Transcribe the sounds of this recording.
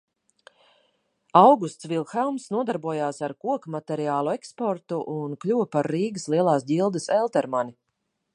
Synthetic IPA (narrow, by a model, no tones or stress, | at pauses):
awɡust̪svilˠxɛlˠmsnuɔd̪aɾbuɔjaːsaɾkuɔkmat̪ɛɾiaːlˠuɛkspɔɾt̪uʔunklʲuːpaɾːiːɡəslˠiɛlˠaːsɟilˠd̪əsɛlˠt̪ɛɾmani